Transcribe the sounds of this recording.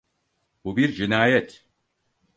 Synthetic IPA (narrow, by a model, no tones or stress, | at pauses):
bubiɾd͡ʒinaːjɛt̪